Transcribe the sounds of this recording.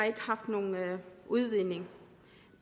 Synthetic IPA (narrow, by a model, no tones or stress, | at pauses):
e̝ɡ̥əhɑ̈fd̥no̝ːnuðˠʋine̝ŋ